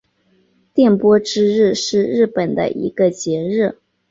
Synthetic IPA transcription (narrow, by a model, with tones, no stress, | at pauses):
t̪jɛ˥˩npwɔ˥ʈ͡ʂɻ̩˥ɻɻ̩˥˧ʂɻ̩˥˧ɻɻ̩˥˩pə˨˩nd̪ə̰˦ʔḭ˧˥ɡ̥ə˧t͡ɕjɛ˧˥ɻ̩˥˩